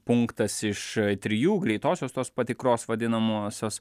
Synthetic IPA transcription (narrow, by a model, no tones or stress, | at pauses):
pʊŋkt̪ɐsɪʃt̪ʲɾʲɪjuːɡɾʲɛɪt̪oːsʲoːst̪oːspɐt̪ʲɪkɾoːsʋɐd̪ʲɪnɐmoːsʲoːs